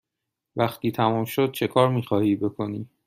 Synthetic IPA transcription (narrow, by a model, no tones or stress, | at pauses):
væxt̪ʰiːt̪ʰæmuːmʃo̞d̪̥̚t͡ʃʰe̞kʰɒːɾmiːxɒːhiːbe̞kʰo̞niː